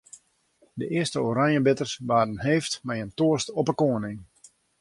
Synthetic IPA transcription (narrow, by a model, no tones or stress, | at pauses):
dəʔɪəstəoɾanjəbɪtərsʋaːdənɦeːftmɛjəntoəstɔpəkoənɪŋ